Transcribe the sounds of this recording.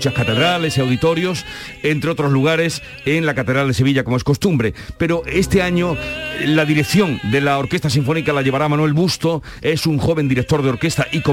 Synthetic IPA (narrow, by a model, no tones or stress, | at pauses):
t͡ʃaskat̪e̞ðɾale̞siawðit̪o̞ɾjo̞s | e̞nt̪ɾeo̞t̪ɾo̞zluɣ̞aɾe̞s | e̞ŋlakat̪e̞ðɾald̪e̞se̞β̞iʎako̞moe̞sko̞st̪umbɾe̞pe̞ɾo̞ʔe̞st̪e̞aɲolaðiɾe̞kθjõ̞ŋd̪e̞lao̞ɾke̞st̪asiɱfo̞nikalaʝe̞βaɾamanwelβust̪o̞ | e̞suŋxo̞βe̞nd̪iɾek̚t̪oɾð̞eo̞ɾke̞st̪aʔiko